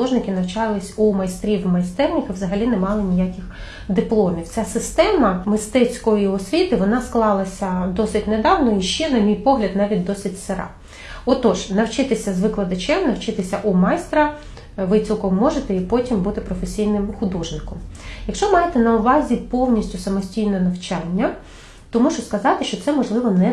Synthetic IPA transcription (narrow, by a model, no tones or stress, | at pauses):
ɔʒnɪkɪnɐwt͡ʃɑlˠɪsʲumɐjst̪ɾʲiwmɐjst̪ɛrnʲixiʋwzɐɦɐlʲinɛmɑlˠɪnʲijakʲɪx | d̪ɪplˠɔmʲiwt͡sʲasɪst̪ɛmɐmɪst̪ɛt͡sʲkɔjiɔsʲʋʲit̪ɪʋɔnɑsklˠɑlˠɐsʲɐd̪ɔsɪtʲned̪ɑwnɔiʃt͡ʃɛnɐmʲijpɔɦlʲɐd̪nɑʋʲit̚ʲd̪ɔsʲɪtʲseɾɑ̰ | ɔt̪ɔʒnɐwt͡ʃɪt̪ɪsʲɐzʋɪklˠɐd̪ɐt͡ʃɛmnɐwt͡ʃɪt̪ɪsʲɐʔumɑjst̪ɾɐ | ʋɪt͡sʲilˠkɔmːɔʒet̪ɛipɔtʲimbut̪ɪpɾɔfesʲijnɪmxʊd̪ɔʒnɪkɔmjɐkʃt͡ʃɔmɑjet̪ɛnɐʊʋɑzʲipɔwnʲisʲtʲʊsɐmɔsʲtʲijnɛnɐwt͡ʃɑnʲːɐ | tt̪ɔmuʃɔskɐzɑt̪ɪʃt͡ʃɔt̪sɛmɔʒlˠɪʋɔnɛ